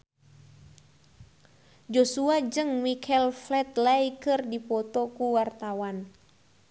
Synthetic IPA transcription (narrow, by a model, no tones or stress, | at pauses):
d͡ʒosuad͡ʒɨŋmikʰɛlflɛt̪̚laikɨrdipɔt̪ɔkuwart̪awan